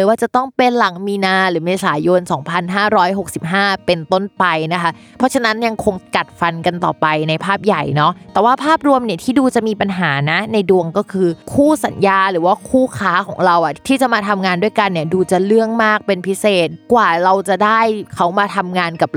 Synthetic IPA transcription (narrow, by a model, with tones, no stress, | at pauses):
ɯ˨˦waː˥˩t͡ɕa˨˩t̪ɔ˥˩ŋpe˧nla˨˩˦ŋmiː˧naː˧ɾɯː˩˦meː˧saː˩˦jo˧nsɔː˩˦ŋpʰa˧nɦaː˥˩ɾɔː˦˥jɦo˨˩k̚si˨˩p̚ɦaː˥˩pe˧nt̪o˥˩npa˧jna˦˥kʰa˦˥ | pʰɾɔ˦˥t͡ɕʰa˧na˦˥nja˧ŋkʰo˧ŋka˨˩t̪̚fa˧nka˧nt̪ɔ̰ː˨˩pa˧jna˧jpʰaː˥˩p̚ja˨˩jnɔ˦˥ʔt̪ɛː˨˩waː˥˩pʰaː˥˩p̚ɾu˧əmni˥˩ət̪ʰiː˥˩duː˧t͡ɕa˨˩ʔmiː˧pa˧nɦaː˩˦na˦˥na˧jdu˧əŋkɔː˥˩kʰɯː˧kʰuː˥˩sa˩˦njaː˧ɾɯː˩˦waː˥˩kʰuː˥˩kʰaː˦˥kʰɔː˩˦ŋɾa˧wʔa˨˩t̪ʰiː˥˩t͡ɕa˨˩ʔmaː˧t̪ʰa˧mŋaː˧ndu˥˩əjka˧nːi˥˩ɐduː˧t͡ɕa˨˩lɯ˥˩əŋmaː˥˩k̚pe˧npʰi˦˥seː˨˩t̪̚kwaː˨˩ɾa˧wt͡ɕa˨˩daː˥˩jkʰa˦˥wmaː˧t̪ʰa˧mŋaː˧nka˨˩p̚